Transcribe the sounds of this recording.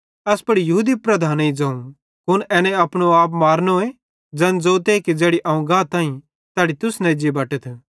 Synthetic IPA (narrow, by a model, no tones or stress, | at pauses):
ɐspɐɽijɐɦuːd̪ipɾɐd̪ʱaːnĩd͡ʒãːũ | ɦʊnɛːnɛ̃ɐpɽ̃oaːp̬maːɾnoe | d͡ʒɐ̃nd͡zoːt̪ekid͡ʒɛːɽiʔɐːũɡãːt̪aːĩ | t̪ɛːɽit̪ʊsnɛ̃d͡ʒibɐʈət̪ʰ